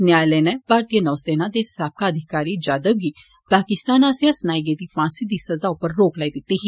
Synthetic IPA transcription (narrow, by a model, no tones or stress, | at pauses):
njaːleːnebʱaːɾt̪ijənɔːseːnãːd̪eːsaːp̚kaəd̪ʱɪkaːɾiːd͡ʒaːd̪əɡiː | paːkɪst̪aːnaːsjãːsənaːiɡed̪iːfãːnsiːd̪iːsɐzaːʊpːəɾːoːklaːid̪ɪt̪ːiɦiː